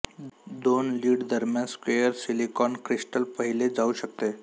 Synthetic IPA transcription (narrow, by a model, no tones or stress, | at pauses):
d̪onliːɖd̪əɾmjanskʋejəɾsilikɔnkɾisʈəlpəɦiled͡zauɕək̚t̪e